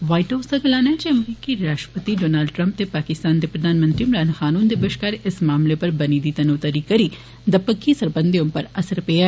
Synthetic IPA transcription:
ʋaːiʈɦaːsɐɡɐlaːnad͡ʒeɐmɾiːkiɾaːʃʈɾəpət̪iɖoːnaːlɖʈɾɐ̃mpt̪epaːkɪst̪aːnd̪epɾɐd̪ʱaːnmə̃nt̪ɾiɪmɾaːnxaːnuːnd̪ebɐʃkaːɾɪsmaːmlepɐɾbɐnid̪iːt̪ɐnoːt̪ɐɾikɐɾi | d̪ɐpəkʰːisɐɾbənd̪ijõpɐɾɐsəɾpeaː

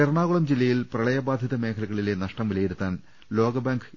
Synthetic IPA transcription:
erɳaːɣuɭɐmd͡ʑilːɐjilprɐɭɐjɐbaːd̪ʱjɐðɐmeːkʰɐlɐɣɐɭile̞nɐʂʈɐmʋilɐjiɾut̪ːaːn | lo̞ːɡɐbaːŋɡ

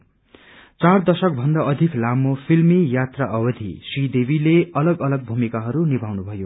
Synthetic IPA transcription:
t͡sard̪ʌsʌk̚bʱʌnd̪aʌd̪ʱiklamopʰilmijat̪raʔʌbʌd̪ʱḭsrid̪ebʱileʌlʌɡʌlʌɡ̚bʱumikaɦʌɾunibʱawnubʱʌjo

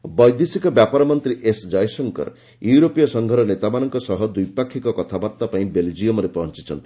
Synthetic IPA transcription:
bɔjd̪isikɔbjapɔɾɔmɔnt̪ɾiʔesd͡ʒajsɔŋkɔ̰ɾ | juwɾopijɔsɔŋɡʱɔɾɔnet̪abanɔŋkɔsɔɦɔd̪ujpakʰːikɔkɔt̪ʰabaɾt̪apaĩbeld͡ʒijomɔɾepɔɦɔnt͡ʃit͡ʃʰɔnt̪i̥

